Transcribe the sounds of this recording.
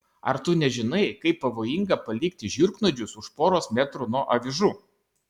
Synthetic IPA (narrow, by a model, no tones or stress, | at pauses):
ɐ̰ɾt̪ʊnʲɛʒʲɪnɐɪkɐɪpːɐʋoːjɪŋɡɐpɐlʲiːkt̪ʲɪʒʲɪɾknod͡ʒʲʊsʊʃpoːɾoːsmʲɛt̪ɾʊnoːʔɐʋʲɪʒu